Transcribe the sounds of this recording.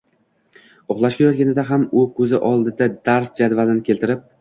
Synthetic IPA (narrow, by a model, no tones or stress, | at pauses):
oχlˠaʃkʲajɒt̪ɡʲanɪd̪aɦamʊkʲʰɵzɪʔɒlˠd̪ɪd̪ad̪aɾsd͡ʒad̪valɪnɪkʰʲelʲt̪ʰɪɾɪp̚